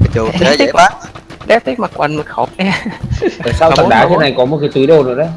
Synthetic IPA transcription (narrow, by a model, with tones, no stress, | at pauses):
i˦˧k̚laː˨˦ɗɛ˨˦˥t̪ʰi˦˥k̚ma˨˩kwa˨˩nmə˨˩xɔ˧˩˦ʔɛ˧ | əː˨˩saː˧w̪a˨˩ŋɗaː˨˦t̪e˨˦na˨˩jkɔ˨˦mo˨t̚ka˨˦t̪ɨ˨˦ɗo˧zo˨˩ɗə˨˦